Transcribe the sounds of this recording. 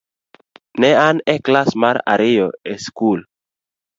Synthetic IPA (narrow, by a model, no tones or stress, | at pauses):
nɛanɛklasmaɾa̰ɾijoeskul